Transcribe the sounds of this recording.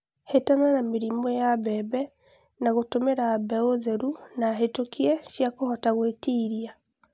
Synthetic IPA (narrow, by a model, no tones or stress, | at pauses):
hetananameɾimɔjaβɛβɛ | naɣotomeɾaβɛozɛɾunaɦetokiɛʃjakohɔtaɣwetiːɾia